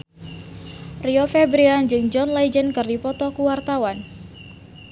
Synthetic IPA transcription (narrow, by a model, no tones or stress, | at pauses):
riofɛbɾiand͡ʒɨŋd͡ʒɔnlajd͡ʒənkɨrdipɔt̪ɔkuwart̪awan